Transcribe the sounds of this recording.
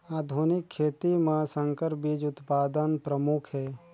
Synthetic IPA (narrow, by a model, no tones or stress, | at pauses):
aːd̪ʱuːnɪkʰːeːt̪imãsə̃ŋkəɾbiːd͡ʒʊt̪paːd̪ənpɾəmukʰɦɛː